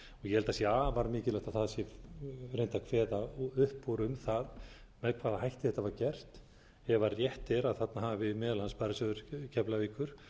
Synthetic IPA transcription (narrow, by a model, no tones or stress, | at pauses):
ɔɣjɛhɛlt̪asjɛaːvaɾmɪːcɪlaht̪aðθaðsjɛrejnt̪akʰv̥ɛːðaʏhpːoɾʏmθað | mɛðkʰvaːðaɦajht̪ɪ̥θɛht̪ːavaɾcɛr̥t̪ | ɛvarjɛht̪ɛɾaðθat̪naɦavɪmɛːðlanspajɾasœðʏɾ̥cʰɛplaviːkʏɾ̥